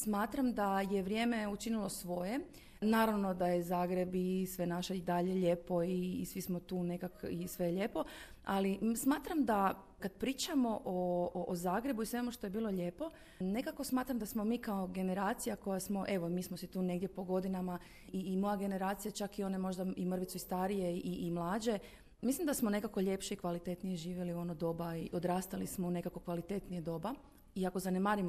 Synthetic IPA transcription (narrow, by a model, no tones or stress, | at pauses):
smaːt̪ɾamd̪ajeʋɾʲje̞ːmeut͡ʃinilˠo̞sʋo̞je̞ | naːɾaʋno̞d̪ajezaːɡɾe̞bisʋe̞naʃeid̪aʎe̞ʎe̞po̞iːsʋismot̪uːne̞kakisʋe̞ʎepo̞alismaːt̪ɾamd̪a | kad̪pɾiːt͡ʃamo̞ʔoʔːzaːɡɾe̞buisʋe̞muʃt̪o̞jebiːlˠoʎe̞ːpo̞ | ne̞kako̞smaːt̪ɾamd̪asmo̞miːkaoɡe̞ne̞ɾaːt̪sijako̞jasmo̞ʔe̞ʋo̞miːsmosit̪uːne̞ɡd̪je̞po̞ɡo̞d̪inama | iːmo̞jaɡe̞ne̞ɾaːt̪sijat͡ʃakio̞ne̞mo̞ʒd̪aimr̩ʋitsuist̪aɾije̞iʔiʔːmlˠaːd͡ʑe̞ | mislimd̪asmo̞ne̞kako̞ʎe̞pʃeikʋalit̪e̞t̪nije̞ʒiːʋje̞lio̞nod̪o̞baiʔo̞d̪ɾaːst̪alismoune̞kako̞kʋalit̪e̞t̪nijed̪o̞ba | iako̞zanemaːɾimo